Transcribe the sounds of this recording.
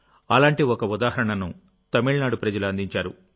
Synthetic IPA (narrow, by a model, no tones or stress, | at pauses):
ɐlaːɳʈiɔkɐud̪aːɦɐɾɐɳɐnu | t̪ɐmiɭnaːɽupɾɐd͡ʒɐluɐnd̪iɲt͡ʃaːɾṵ